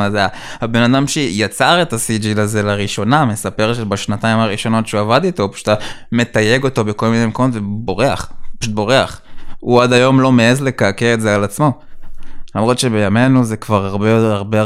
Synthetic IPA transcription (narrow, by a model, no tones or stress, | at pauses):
azea | habe̞nadamʃejat͡saʁe̞tasid͡ʒilaze̞laʁiʃo̞name̞sape̞ʁʃebaʃnataimaʁiʃo̞no̞tʃuavad̪ito̞paʃu̥tame̞t̪aje̞ɡo̞to̞be̞ko̞lminejmkomo̞tvebo̞ʁea̰χpaʃut̪̚bo̞ʁeaχuad̪ajo̞mlo̞meezle̞kaːkeetzealat͡smo̞ | lamʁo̞t̪ʃebe̞jame̞nuze̞kvaʁaʁbeaʁbe